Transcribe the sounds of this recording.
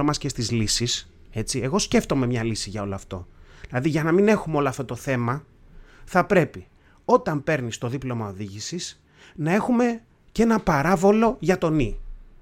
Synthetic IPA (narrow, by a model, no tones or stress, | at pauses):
omɐsce̞st̪izlisis | e̞t͡sie̞ɣo̞sce̞ft̪o̞me̞mɲɐlisiʝɐo̞loɐft̪o̞̰ðilɐðiʝɐnɐmine̞xumeo̞loɐft̪ot̪oθe̞mɐ | θɐpɾe̞pi | o̞t̪ɐmpe̞ɾnist̪o̞ðiplo̞mɐo̞ðiʝisis | nɐe̞xume̞ | ce̞nɐpɐɾɐvo̞lo̞ʝɐt̪o̞ni